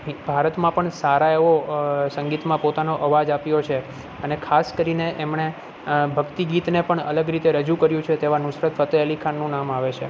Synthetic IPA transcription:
ɦbʱaɾət̪mãpəɳsaɾaeʋosə̃ŋɡit̪mãpot̪anoʔəʋad͡ʒapjot͡ʃʰe | ənekʰaskəɾineʔemɳe | bʱəɡt̪iɡit̪nepəɳə̰ləɡɾit̪eɾəd͡ʒũkəɾjũt͡ʃʰet̪eʋanʊsɾət̪fət̪əelikʰanːũnamaʋet͡ʃʰe

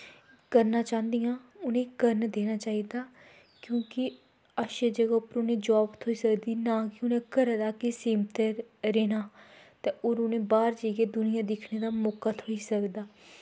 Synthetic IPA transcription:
kəɾnaːt͡ʃãːnd̪ijãːʊnẽːkəɾnd̪eːnaːt͡ʃaːiːd̪aː | kjõːkɪ | əʃeːd͡ʒəɡaːpəɾʊnẽːd͡ʒaːbt̪ʰoiːsəkd̪iːnãːkɪʊnẽːkəɾd̪aːkɪsiːmt̪eɾeːnaː | t̪eːoːɾʊnẽːbaːɾd͡ʒeːɡeːd̪ʊnɪjãːd̪ɪkʰneːd̪aːmoːkaːt̪ʰoːiːsəkd̪aː

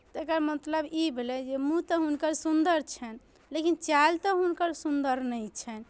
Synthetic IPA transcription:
t̪ɔekəɾmət̪ləbibʱelɛd͡ʒemũt̪ɔɦunkəɾsund̪əɾt͡ʃʰɛn | lekint͡ʃalt̪ɔɦunkəɾsund̪əɾnɛjt͡ʃʰɛn

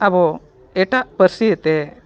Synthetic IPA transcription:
abɔ | ɛʈaʔpəɾsiɛt̪ɛ

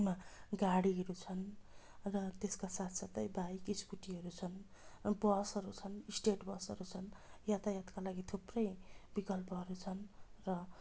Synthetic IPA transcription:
maɡaɽiɦʌɾut͡sʰʌn | rʌt̪eskasat̪ʰsat̪ʌjbaikiskuʈiɦʌɾut͡sʰʌn | bʌsʌɾut͡sʰʌnisʈeʈbʌsʌɾut͡sʰʌnjat̪ajat̪kalaɡit̪ʰuprʌjbikʌlpʌɦʌɾut͡sʰʌnrʌ

